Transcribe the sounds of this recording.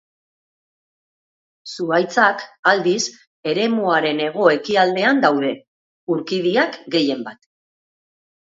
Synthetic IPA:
suajt͡sakald̪is | e̞ɾe̞muaɾe̞ne̞ɣ̞o̞e̞kiald̪e̞and̪awðe̞ | uɾkiðiakɡe̞je̞mbat̪

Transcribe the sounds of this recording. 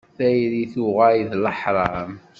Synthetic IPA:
θæjliθuʁæjðləħɾˤɑm

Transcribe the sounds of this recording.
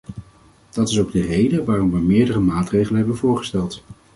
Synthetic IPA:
d̥ɑtɪsowɡ̚dərejdəʋaːrɔmʋəjmɪːɹdərəmaːtrejχələnɦɛbənvʊːɹχə̥stɛlˠt

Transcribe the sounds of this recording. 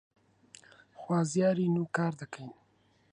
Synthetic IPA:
xwɑːzjɑɾinukɑːɾd̪akəjn

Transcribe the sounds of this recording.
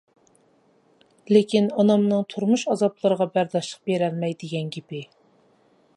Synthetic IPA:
lekʲʰinɑnɑmnɨŋt̪ʰuɾmuʃɑzɑblˠəɾəʁɑbæɾd̪ɑʃlˠəq̚beɾɛlmɛjd̪ɪɡʲɛnɡʲepɪ

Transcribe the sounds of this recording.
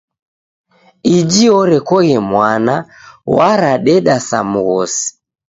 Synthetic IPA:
id͡ʒiɔɾɛkɔɣɛmwana | waɾaɗɛɗasa̰muɣɔsi̥

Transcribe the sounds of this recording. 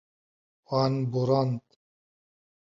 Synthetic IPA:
wanbuɾant̪

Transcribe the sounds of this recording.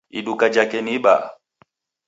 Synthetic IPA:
ḭɗukad͡ʒakɛniɓa̰

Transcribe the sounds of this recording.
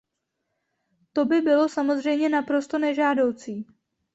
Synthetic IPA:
t̪o̞bɪbɪlo̞samo̞zr̝ɛjmɲɛnapɾo̞st̪o̞nɛʒaːdo̞wt͡siː

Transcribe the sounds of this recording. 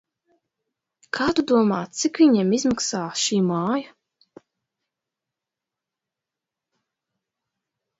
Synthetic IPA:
kʰaːt̪ud̪uɔmaːt̪sikviɲɛmizmaksaːʃiːmaːja

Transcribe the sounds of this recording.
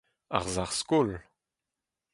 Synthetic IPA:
a̰ʁzaʁskol

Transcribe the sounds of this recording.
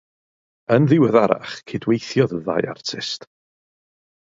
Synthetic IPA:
ənðɪwəðaɾa̰χkʰeːdwejθjɔðəða̰jʔa̰rtʰɪ̰st

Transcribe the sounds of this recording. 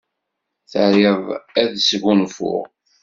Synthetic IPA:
θəɾɪvæðsɡunfʊ̰ʁ

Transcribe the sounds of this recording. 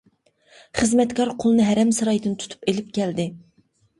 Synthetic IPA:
χəzmɛt̪kʰɑɾqʰolˠɨnɨɦæɾɛmsɨɾɑjd̪ɨnt̪ʰu̥t̪ʰu̥pelɪp̚kʲʰɛld̪ɪ

